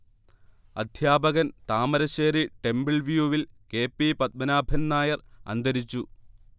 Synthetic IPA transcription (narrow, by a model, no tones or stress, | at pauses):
ɐ̰d̪ʱjaːbɐɣɐnt̪aːmɐɾɐɕeːɾiʈe̞mbiɭʋjuʋilkeːpːipɐt̪̚mɐnaːbʱɐnnaːjɐrɐ̰nd̪ɐɾit͡ɕːu